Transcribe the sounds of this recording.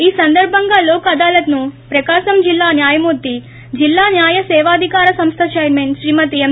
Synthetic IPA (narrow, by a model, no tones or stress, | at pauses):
iːsɐnd̪ɐɾbʱɐŋɡaːloːkɐd̪aːlɐt̪nupɾɐkaːʃɐmd͡ʒilːaːnjaːjɐmuːɾt̪ːi | d͡ʒilːaːnjaːjɐsɛːʋaːd̪ʱikaːɾɐsɐmst̪ʰɐʃɐjɾmeːnʃɾiːmɐt̪iem